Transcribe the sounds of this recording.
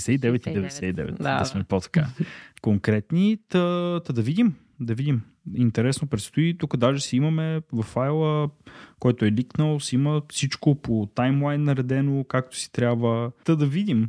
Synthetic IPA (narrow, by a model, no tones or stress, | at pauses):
sɛid̪ɛvɛt̪id̪ɛvɛd̪ɛsɛid̪ɛ̰vɛ̰t̪d̪ɐsmɛpot̪ɐ̥ka̰koŋkɾɛt̪nit̪ət̪əd̪ɐvid̪im | d̪ɐvid̪ʲim | int̪ɛɾɛsnopɾɛt̪st̪oit̪ukəd̪aʒɛsɛimɐmɛvɐfajlˠəkɔjt̪oɛliknəlˠosɛiməfsit͡ʃkopot̪ajmlˠajnːɐɾɛd̪ɛnokak̚t̪o̥si̥t̪ɾʲabvət̪əd̪ɐvid̪im